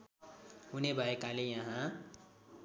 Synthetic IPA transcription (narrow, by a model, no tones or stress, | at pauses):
ɦunebʱʌekalejʌɦã